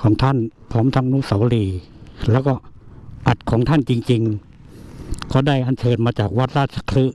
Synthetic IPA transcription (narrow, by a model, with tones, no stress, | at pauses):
kʰɔː˩˦ŋt̪ʰa˥˨npʰɔː˧˥˨mt̪ʰa˧˥˩ŋnuː˧˥˩sa˨˦wliː˧˩ | lɛː˦˥˩wkɔː˧˩ʔa˨˩t̪̚kʰɔː˩˦ŋt̪ʰa˥˨nt͡ɕi˧ŋt͡ɕi˧ŋ | kʰɔː˧˩da˧˥˩jʔa˧˨nt͡ɕʰɤː˧nmaː˧t͡ɕaː˨˩k̚wa˦˥t̪̚ɾaː˧˩t̪̚t͡ɕʰa˧kʰlɯ˦˥ʔ